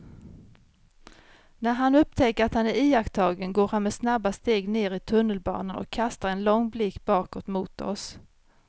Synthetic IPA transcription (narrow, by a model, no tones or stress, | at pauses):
næɾɦanɵp̚ːt̪ʰɛkːəɾat̪hanæɾiːakt̪ʰɑːɡənɡoːɾhanmɛsnabːast̪eːɡneːɾɪt̪ʰɵnːəlbɑ̰ːnənʔɔ̰kʰːast̪aɾɛnlɔŋːblɪkːb̥ɑːkɔːt̪muːt̪ɔ̰s